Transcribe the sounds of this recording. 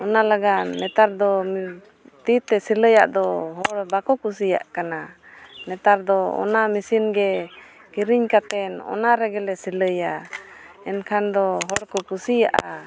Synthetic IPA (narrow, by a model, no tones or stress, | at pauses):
ɔnalaɡaʔnɛt̪aɾd̪ɔm | t̪it̪ɛsiləja̰ʔd̪ɔɦɔɽbakɔkus̬ija̰ʔkana | nɛt̪aɾd̪ɔɔ̰namisinɡɛ | kiɾiɲkat̪ɛnɔ̰naɾɛɡɛlɛsiləja | ɛnkʰand̪ɔɦɔɽkɔkusijaʔa